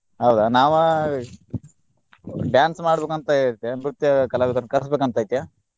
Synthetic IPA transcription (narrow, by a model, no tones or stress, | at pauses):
ɦɐwd̪anaːʋɐ | ɖjaːnsmaːɽbeːkɐnt̪ajɾt̪ːjamɾut̪jɐkɐlaːʋik̪ɐɾnkɐɾɐsbeːkuɐnt̪aːjt̪jaː